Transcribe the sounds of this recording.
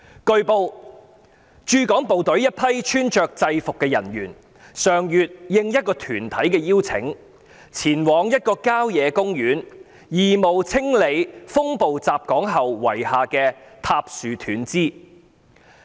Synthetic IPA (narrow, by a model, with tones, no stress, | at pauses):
kɵ˧ɥpo˧w | t͡ʃyː˨˧kɔː˨˥ŋpo˨wt̪ɵ˨˥ɥjɐ˥t̚pʰɐ˥jt͡ʃʰyː˥nt͡ʃœː˨k̚t͡sɐ˧jfʊ˨kːɛː˧jɐ˨˩njyː˨˩n | sœː˨ŋjyː˨t̚jɪ˨˧ŋjɐ˥t̚kɔː˧t̪ʰyː˨˩nt̪ʰɐ˨˥jkɛː˧jiː˥wt͡sʰɪ̰˨˥ŋ | t͡sʰiː˨˩nwɔː˨˧ŋjɐ˥t̚kɔː˧kaː˥wjɛː˨˧kʊ˥ŋjyː˨˥n | jiː˨˩mo˨˩wt͡sʰɪ˥ŋle˨˧jfʊ˥ŋpo˨wt͡saː˨p̚kɔː˨˥ŋɦɐ˨wːwɐ˨˩jhaː˨kɛː˧t̪ʰaː˧p̚syː˨t̪ʰyː˨˥nt͡siː˥